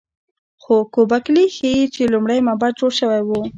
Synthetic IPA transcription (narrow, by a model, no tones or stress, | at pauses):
xokobaklixeit͡ʃelumɽajmabad̪̚d͡ʒoɽʃəwajwu